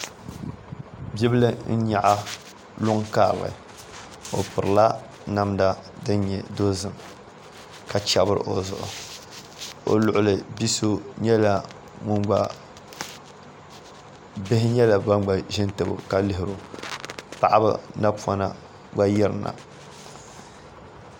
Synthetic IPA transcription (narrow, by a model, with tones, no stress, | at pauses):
bi˦bɨ˦lɨ˦n̩˦ɲa˨ʔa˦ | lʊ˦ŋkaː˦˨ba̰˨ | o̰˨pʊ˨ɾɨ˨la˦ | na˦mda˦dɨ˦n˦ɲɛ˨do˦zɨ˨m | ka˨t͡ʃa˦bɨ˦ɾɨ̰˨ʔo˨zʊ̰˨ʔʊ̰˨ | o̰˨lʊ˨ʔʊ˦˨lɨ˨bi˦so˦ɲɛ˦la˨ | ŋʊ˦ŋɡ͡ba˨ | bɪ˦hɪ˦ɲɛ˦la˨ba˦ŋɡ͡ba˨ʒɪ˦ntɨ˨bɨ̰˨ka˦lɪ˦ɦɪ˨ɾo˨ | pa˨ʔa˦bɨ̰˦na˦pa˦na̰˨ | ɡ͡ba˦jɛ˦ɾna̰˨